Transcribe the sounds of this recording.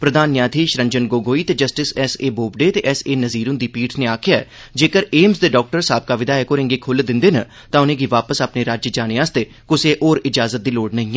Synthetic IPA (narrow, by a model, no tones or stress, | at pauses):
pɾəd̪ʱaːnjaːt̪ʰiːʃɾə̃ɲd͡ʒənɡoːɡoːiːt̪eːd͡ʒəsʈɪsɛseːboːbɖeːt̪eːʔɛːseːnəziːɾʊnd̪iːpiːʈʰneːaːkʰɪjaːɛ̰ːd͡ʒeːkəɾeːmzd̪eːɖɔːk̚ʈəɾsaːb̚kaːʋɪd̪aːekoːɾẽŋɡeːkʰʊld̪ɪ̃nd̪eːnaː | t̪ãːʊnẽːɡiːʋaːpəsaːpneːɾaːd͡ʒd͡ʒaːneːaːst̪eː | kʊseːʔoːɾɪd͡ʒaːzət̪̚d̪iːloːɽnəĩː